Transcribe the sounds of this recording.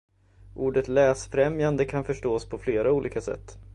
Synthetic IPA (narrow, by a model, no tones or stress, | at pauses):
ʔuːɖət̪lɛːsfɾɛmjand̪əkʰanfœʂʈoːspʰɔfleːɾauːlʔḭːkasɛ̰t̪ː